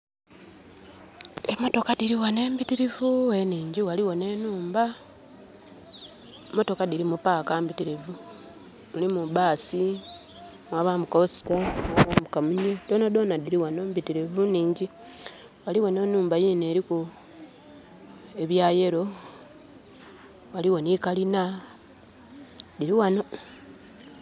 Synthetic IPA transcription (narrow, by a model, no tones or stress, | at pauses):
emo̞to̞kadiɾiwane̞ːmbitiɾivuweniːɲɟiwaliwo̞ne̞ːnuːmba | emo̞to̞kadiɾimupaːkambitiɾivu | mulimuβaːsi | mwaβamukaosi̥taawamukamuɲedo̞ːnado̞ːnadiɾiwano̞mbitiɾevuniːɲɟi | waliwo̞ne̞ːnuːmbajine̞ːɾiku | e̞βjaːje̞ɾo̞ | waliwo̞nikalina | diɾiwano̞